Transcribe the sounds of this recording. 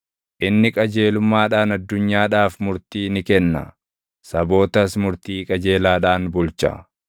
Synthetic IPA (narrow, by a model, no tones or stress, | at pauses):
ʔɪnːɪkʼɐd͡ʒe̞ːlʊmːaːᶑaːnɐd̪ːʊɲːaːᶑaːfmʊɾt̪iːnɪkɛnːɐ̰ | sɐbo̞ːt̪ɐsmʊɾt̪iːkʼɐd͡ʒe̞ːlaːᶑaːnbʊlt͡ʃɐ̰